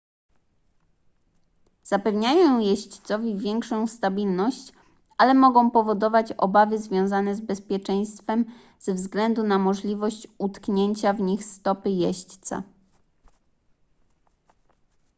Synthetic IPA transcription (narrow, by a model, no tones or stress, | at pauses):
z̥apɛvɲajɔ̃w̃jɛɕt͡ɕt̪sɔvʲivʲjɛŋkʂɔ̃w̃st̪abʲilnɔɕt͡ɕ | alɛmɔɡɔ̃w̃pɔvɔd̪ɔvat͡ɕɔ̰bavɘzvʲjɔ̃w̃zanɛzbɛspʲjɛt͡ʂɛj̃st̪fɛm | zvzɡlɛnd̪unamɔʐlʲivɔɕt͡ɕut̪kɲeɲt͡ɕavɲixst̪ɔpɘjɛɕt͡ɕt̪sa̰